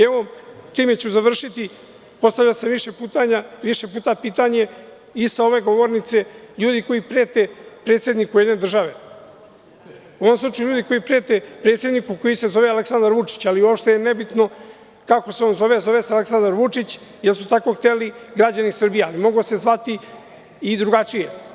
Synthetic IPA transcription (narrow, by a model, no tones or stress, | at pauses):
eʋot̪iːmet͡ɕuzaʋr̩ʃit̪i | po̞st̪aʋlʎaseʋiʃepuːt̪aɲaʋiʃe̞puːt̪apiːt̪aɲe̞ | isao̞ʋe̞ɡo̞ʋoɾnit̪se̞ʎuːd̪iko̞jipɾeːt̪epɾet̪se̞d̪nikuje̞d̪ne̞d̪r̩ʒaʋe̞ | uoamslˠut͡ʃajuʎuːd̪iko̞jipɾe̞ːt̪epɾet̪se̞d̪nikuko̞jise̞zo̞ʋeale̞ksand̪aɾʋut͡ʂi̥t͡ɕaliuopʃt̪ejenebit̪no̞ | kakoseonzo̞ʋe̞zo̞ʋesealeksand̪aɾʋut͡ʂit͡ɕ | jelsut̪ako̞xt̪e̞liɡɾad͡ʑanisr̩bijealimo̞ɡose̞zʋat̪iː | d̪ɾuɡat͡ʃije